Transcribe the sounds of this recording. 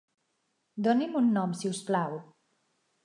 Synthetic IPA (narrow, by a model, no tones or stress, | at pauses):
d̪ɔnimunːɔmsiwsplaw